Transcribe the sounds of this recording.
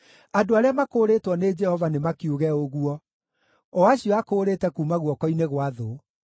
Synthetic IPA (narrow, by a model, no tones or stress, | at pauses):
adoaɾeamakoːɾetwɔned͡ʒɛhɔvanemakiuɣɛoɣuɔ | ɔaɕiɔakoːɾetɛkuːmaɣwɔkɔineɣwaðo